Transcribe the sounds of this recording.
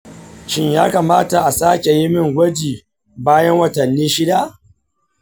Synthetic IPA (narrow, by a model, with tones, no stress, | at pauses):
ʃɪ˦ɲjaː˦kaː˨maː˦ta˨ʔa˨saː˦kʲe˨ji˦mɪ˦ŋɡʷɐ˦d͡ʒiː˨ | baː˦jɐ˦ŋwɐ˨tɐ˨nːiː˦ʃɪ˦da˦ʔ